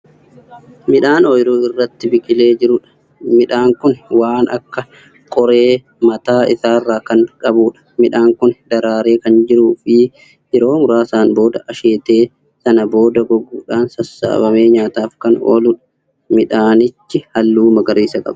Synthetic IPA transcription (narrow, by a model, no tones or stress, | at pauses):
mɪᶑaːnojɾuːɪrːɐt̪ːɪbɪkʼɪle̞ːd͡ʒɪɾʊᶑɐ̥ | mɪᶑaːŋkʊnwaːnɐ̰kːɐ | kʼɔɾe̞ː | mɐt̪aːɪsaːrːaːkɐnkʼɐbuːᶑɐ̥mɪᶑaːŋkʊnd̪ɐɾaːɾe̞ːkɐnd͡ʒɪɾuːfɪ | ʔɪɾo̞ːmʊɾaːsaːnbo̞ːd̪ɐʔɐʃeːt̪e̞ː | sɐnɐbo̞ːd̪ɐɡɔɡuːᶑaːnsɐsːa̰ːbɐme̞ːɲaːt̪aːfkɐno̞̰ːlʊᶑɐ̥ | mɪᶑaːnɪt͡ʃːɪhɐlːuːmɐɡɐɾiːsɐkʼɐ̰b̥